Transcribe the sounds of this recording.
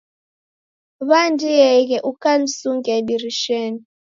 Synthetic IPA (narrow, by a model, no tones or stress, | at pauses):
βandijɛiɣɛʔukan̩suŋɡɛbiɾiʃɛn